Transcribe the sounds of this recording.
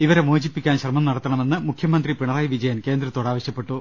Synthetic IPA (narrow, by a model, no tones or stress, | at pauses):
iʋɐɾe̞moːd͡ʑipːikʲːaːnɕrɐmɐmnɐɽɐt̪ːɐɳɐme̞nːɨmukʰjɐmɐnd̪ripiɳɐraːjiʋid͡ʑɐjɐnke̞ːnd̪rɐt̪ːo̞ːɽaːʋɐɕjɐpːe̞ʈːu